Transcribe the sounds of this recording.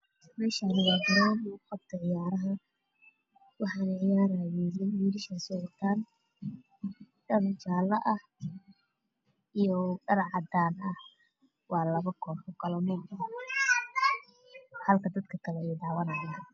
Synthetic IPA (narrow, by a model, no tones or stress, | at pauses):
mɛːʃanɪɣaɡɪɾaːnɔqɑb̚t̪ʰɐʕɪjaːɾɐɦɐ | wɑħɑːnɛʕɪjaːɾaːjɛjɛnwiːɾɪʃɐsɔʕɔt̪ʰaːn | ɖɐɾt͡ʃaːlɐʔɐh | ijɔɖɐɾʕɑd̪aːnɐh | wɑːlɐβɐkʰɔːħɔkʰɐlɔnuːmɐ | hɐlkʰɐd̪ɐd̪kʰɐkʰɐlɛɛjd̪ɑːwɐnɐjɪjɐ